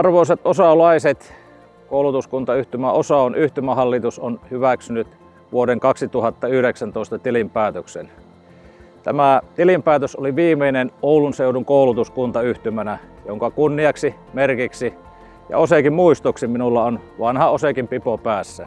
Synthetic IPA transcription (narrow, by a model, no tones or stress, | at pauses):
ɑrʋoˑiset̪ʔosɑlɑiset̪ | koˑulut̪uskunt̪ɑyht̪ymæosɑˑonʔyht̪ymæhɑlːit̪usonhyʋæksynyt̪ | ʋuodeŋkɑksit̪uhɑt̪ːɑyhɾeksænt̪oˑest̪ɑt̪ilimpæːt̪øksḛn | t̪æmæt̪ilimpæːt̪øsoliʋiːmeinenoˑulunseuduŋkoˑulut̪uskunt̪ɑyht̪ymænæ | joŋkɑkunːiɑksi | merkiksi | jɑ̰osekimmuist̪oksiminulːɑonʋɑnhɑosekimpipopæːsːæ